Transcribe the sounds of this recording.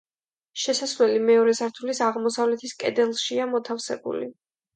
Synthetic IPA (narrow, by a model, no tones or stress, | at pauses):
ʃɛsasvlɛlimɛɔɾɛsaɾt̪ʰulisaʁmɔsavlɛt̪ʰiskʼɛ̰d̪ɛlˠʃiamɔt̪ʰafsɛ̰bṵlḭ